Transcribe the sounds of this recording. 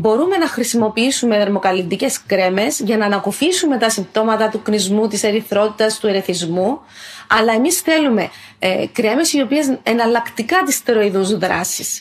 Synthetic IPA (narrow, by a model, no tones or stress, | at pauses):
bo̞ɾume̞nɐxɾisimo̞piisume̞ðɐɾmokɐlind̪ice̞skɾe̞me̞zʝɐnɐːnɐkofisume̞t̪ɐsimbt̪o̞mɐt̪ɐt̪uknizmut̪ise̞ɾiθɾo̞t̪it̪ɐst̪ue̞ɾe̞θizmuɐlɐe̞misθe̞lume̞ | kɾe̞me̞sio̞pie̞zenɐlɐkt̪ikɐt̪ist̪e̞ɾo̞iðuzðɾɐ̰sis